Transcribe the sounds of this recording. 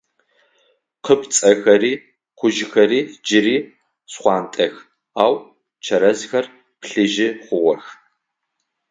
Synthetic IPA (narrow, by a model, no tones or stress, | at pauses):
qəpt͡sʼɐxɐɾiː | qʷʊʒxɐɾiːd͡ʒɪriː | sχʷɑːntʼɐx | aːw | t͡ʃʰɐɾɐzxɐr | pɬɨʒɪχʷʊʁʷɔx